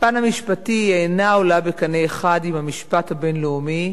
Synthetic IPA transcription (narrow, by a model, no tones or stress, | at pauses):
panhamiʃpatijeːnaolabekaneːχadimamiʃpathabe̞nleumi